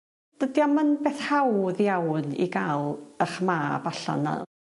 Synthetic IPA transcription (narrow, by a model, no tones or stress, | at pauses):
d̥ədiamənbeːθhawðjawnḭɡalˠəχmaːbaɬa̰na̰